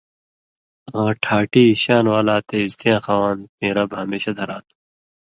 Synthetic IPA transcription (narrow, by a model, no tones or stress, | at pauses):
ãːʈʰaːʈiːɕaːnwaːlaːt̪eːzt̪ijãːxaːwaːnt̪ẽːɾɐbɦɐmeːɕad̪ʱɐɾaːt̪ʰu̥